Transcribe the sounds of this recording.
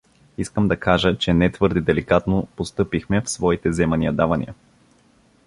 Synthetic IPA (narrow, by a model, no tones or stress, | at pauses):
iskəmd̪ɐkaʒət͡ʃɛnɛt̪vɤɾd̪ɛd̪ɛlikat̪nopost̪ɤpixmɛfsvɔit̪ɛzɛmɐniəd̪avɐnḭə